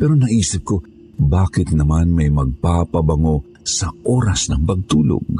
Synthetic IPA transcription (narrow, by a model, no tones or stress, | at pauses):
pɛːɾonɐʔiːsɪp̚ko̞ | baːkɪt̪nɐmanmɐjmɐɡ̚papɐbɐŋo̞ | sɐʔoːɾɐsnɐŋpɐɡ̚t̪uːlo̰ɡ̚